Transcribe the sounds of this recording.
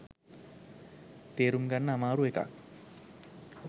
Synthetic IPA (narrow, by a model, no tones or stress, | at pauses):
t̪eːɾuŋɡanːəamaːɾueka̰k̚